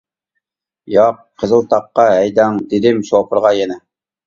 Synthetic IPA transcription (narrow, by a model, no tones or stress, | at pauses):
jɑq | qʰːəzəlˠt̪ʰɑqːɑɦɛjd̪ɛŋd̪ɪd̪ɪmʃopʰəɾʁɑjɛnɪ